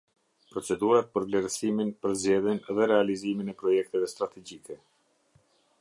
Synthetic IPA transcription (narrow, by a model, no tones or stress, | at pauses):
pɾɔt͡sɛd̪uɾat̪̚pəɾvlɛɾsiminpəɾzd͡ʑɛðjɛnɛðɛɾɛaliziminɛpɾɔjɛk̚t̪ɛvɛst̪ɾat̪ɛd͡ʑikɛ